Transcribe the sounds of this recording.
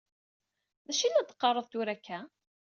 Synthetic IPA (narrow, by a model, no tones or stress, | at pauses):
ðæʃilæd̪qːɑrˤːəðˤt̪uɾækʰːæ